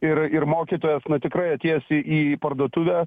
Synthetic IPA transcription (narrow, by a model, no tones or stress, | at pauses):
ɪrɪrmoːkʲiːt̪oːjɛsnʊt̪ʲɪkɾɐɪɐt̪ʲeːjɛsʲɪʔiːpɐrd̪oːt̪ʊʋʲæː